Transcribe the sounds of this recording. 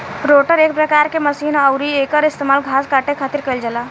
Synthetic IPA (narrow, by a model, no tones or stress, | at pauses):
ɾoʈəɾek̚pɾəkaɾkeməsinəʊɾiekəɾist̪emaːlɡʱaskaʈekʰat̪iɾkəɪld͡ʒəla